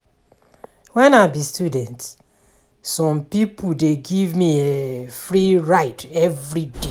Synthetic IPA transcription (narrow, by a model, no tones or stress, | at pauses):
wɛ̃naɪbistjudɛ̃nt | sɔ̃mpipʰudeɡivmiefɹiɹaɪtʰɛvɹide